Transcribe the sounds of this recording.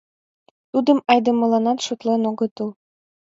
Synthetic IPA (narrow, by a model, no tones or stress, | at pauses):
t̪ud̪ə̆mɑjd̪ɤ̆mɤ̆lɑnɑt̪ʃŏt̪lenoɣɤ̆t̪ul